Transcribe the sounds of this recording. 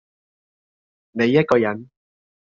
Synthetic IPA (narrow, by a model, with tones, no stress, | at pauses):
ne˨˧jːɐ˥t̚kɔː˧jɐ˨˥n